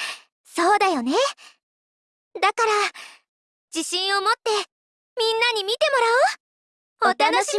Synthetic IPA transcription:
so̞ːd̪ajo̞ne̞ | d̪akaɾa | d͡ʑiɕĩɰ̃o̞mo̞t̪ːe̞ | mʲĩnːaɲ̟imʲit̪e̞mo̞ɾaɯ | ot̪an

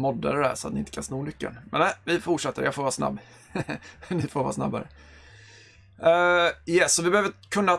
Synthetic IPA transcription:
mɔd̪ːa̰d̪ɛd̪æ̰ʂɔa̰t̪nɪɪnt̪əkʰansnuːmʏkːə̰nmɛ̰næɪvɪfʊʂɛt̪ːəɾjɑfoːvɑːsna̰bː | nɪfoːɾvɑ̰ːsna̰bːa̰ɾə | jɛsːɔvɪbɛhøːvəkʰɵnːa

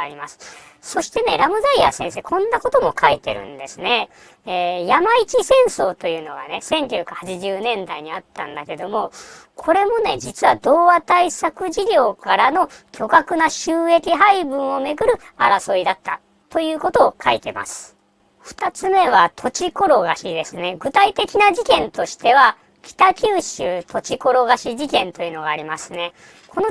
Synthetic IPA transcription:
aɾʲima̰sɨ̥ | so̞ɕi̥t̪e̞ne̞ɾamɯ̟zaia̰sẽ̞ɰ̃se̞ːkʰõ̞nːako̞t̪o̞mo̞kʰait̪e̞̰ɾɯ̟̰̃nd̪e̞sɨne̞ː | jamait͡ɕisẽ̞ɰ̃so̞ːt̪o̞jɯ̟ːno̞̰ɡa̰ne̞sẽ̞ŋkʲoːkahat͡ɕiʑɨːnẽ̞nd̪aiɲ̟iat̪ːã̰nd̪ake̞d̪o̞mo̞kʰo̞ɾe̞mo̞ne̞d͡ʑit͡sɨβa̰d̪o̞ːβat̪aisakɯ̟ʑiɾʲo̞ːkaɾano̞kʲo̞kakɯ̟naɕɯːe̞kʲiɦaibɯ̟̃ɰ̃o̞me̞ɡɯ̟ɾɯ̟aɾaso̞id̪at̪ːa̰ | t̪o̞jɯ̟ːko̞t̪o̞ːkʰait̪e̞ma̰sɨ̥ | ɸɯ̟̥t̪at͡sɨme̞β̞at̪ʰo̞t͡ɕiko̞ɾo̞ɡaɕid̪e̞sɨne̞ɡɯ̟t̪ait̪e̞kʲinaʑikẽ̞nt̪o̞ɕi̥t̪e̞βa | kʲʰi̥t̪akʲɨːɕɯːt̪ʰo̞t͡ɕiko̞ɾo̞ɡaɕiʑikẽ̞nt̪o̞jɯ̟no̞ɡaːɾʲimasɨne̞ | kʰo̞no

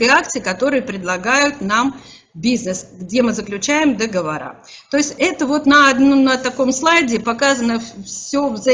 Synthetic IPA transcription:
əak̚t̪sɨɪkɐt̪o̞ɾɨjəpɾʲɪd̪lˠɐɡajʊt̪nam | bʲiznəsɡdʲe̞mɨzəklʲʉt͡ɕæjɪmd̪əɡəvɐɾa̰ | t̪o̞ɪsʲtʲɛt̪əvo̞t̪nəɐd̪nomnət̪ɐko̞mslˠajdʲɪpɐkazənəffsʲovzɐ

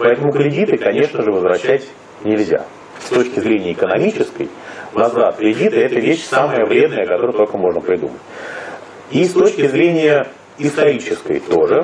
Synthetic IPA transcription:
pɐɛt̪əmʊkɾʲɪdʲit̪ɨkɐnʲe̞ʂnəʐɨvəzvɾɐɕːætʲ | nʲɪlʲzʲa̰ | st̪o̞t͡ɕkʲɪzɾʲenʲɪjəɪkənɐmʲit͡ɕɪskə̰j | nɐzvat̪kɾʲɪdʲit̪ɨɛt̪əvʲeɕsaməjəvɾʲe̞d̪nəjəkɐt̪o̞ɾəjt̪olʲkəmo̞ʐnəpɾʲɪd̪ṵmətʲ | ist̪o̞t͡ɕkʲɪzɾʲenʲɪjə | ɪst̪ɐɾʲit͡ɕɪskə̰jt̪oʐɨ

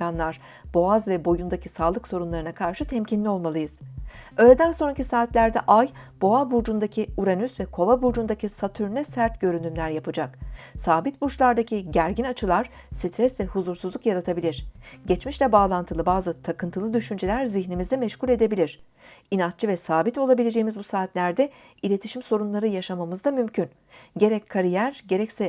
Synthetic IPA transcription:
anlˠaɾ̥ | b̥o̞azvɛbo̞jund̪acʰisaːlˠɯkso̞ɾunlˠaɾɯnakʰaɾʃɯt̪ʰɛmcʰinlʲio̞lˠmalˠɯjɯz̥ø̞ːlʲed̪ænso̞nɾacisaːt̪lʲæɾd̪ɛʔaj | b̥o̞abuɾd͡ʒund̪acʰiuɾanysvɛkʰo̞vabuɾd͡ʒund̪acʰisat̪ʰyɾnʲɛsæɾt̪ɟø̞ɾynymlʲæɾjapʰɯd͡ʒaksaːbit̪̚buʃlˠaɾd̪acʰiɟæɾɟinat͡ʃʰɯlˠaɾ̥ | sit̪ʰɾɛsvɛhuzuɾsuzlˠukjaɾat̪ʰabilʲiɾ̥ɟɛt͡ʃmiʃlʲɛbaːlˠant̪ʰɯlˠɯbaːzɯt̪ʰakʰɯnt̪ʰɯlˠɯd̪yʃynd͡ʒe̞lʲæɾziçnimizd̪ɛmɛʃculʲe̞d̪e̞bilʲiɾ̥ | inat͡ʃt͡ʃʰɯvɛsaːbit̪o̞lˠabilʲe̞d͡ʒe̞jimizbusaːt̪lʲæɾd̪ɛ | ilʲe̞t̪ʰiʃimso̞ɾunlˠaɾɯjaʃamamɯzd̪amymcʰyn | ɟe̞ɾɛcʰːaɾijæɾɟe̞ɾɛcsɛ

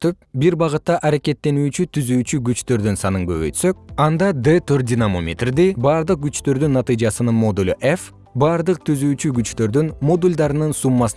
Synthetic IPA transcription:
t̪øp̚biɾbɑʁɯt̪ːɑʔɑɾeke̞t̪ːe̞nyːt͡ʃyt̪ʰyzyːt͡ʃyɡyt͡ʃt̪ø̞ɾd̪ynsɑnɯŋɡø̞̰βøjt̪sø̞k̚ɑnd̪ɑd̪et̪ʰørt̪̚d̪ʲinamomʲḛt̪rd̪ibɑːɾd̪ɯq̚ɡyt͡ʃt̪ø̞ɾd̪ynːɑt̪ɨjd͡ʒɑsɯnɯnmo̞d̪ulʲʔef | bɑɾd̪ɯq̚t̪ʰyzyːt͡ʃyɡyt͡ʃt̪ø̞ɾd̪ynmo̞d̪ulʲd̪ɑɾɯnɯnsumːɑs

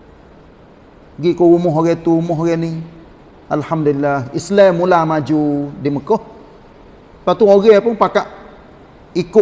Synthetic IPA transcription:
ɡiʔkɔumɔɦoɣɛt̪uumʊɦoɣɛni | alhamdulilahislɛmːulamad͡ʒudiməkɔh | pat̪uoɣɛpʊŋpakaʔ | ikʊʔ

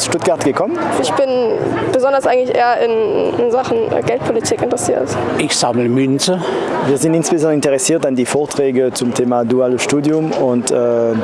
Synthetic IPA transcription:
sʃtʊt̚ɡ̥aʁtɡ̥əkʰɔmənɪçb̥ɪnb̥əzɔndɐsʔaɪŋ̩tlɪçʔḛːɐʔɪnɪnzaχn̩̰ɡɛlt̚pʰolitʰiːkɪntəʁɛsḭːɐtʔɪçz̥aml̩mʏnt͡səviːɐzɪntɪnsb̥ezɑ̃nɪntəʁɛsiːɐtandiːfoːɐtʁ̥ɛːɡət͡sʊmtʰeːmadualʃtuːdjʊmʊntɛː

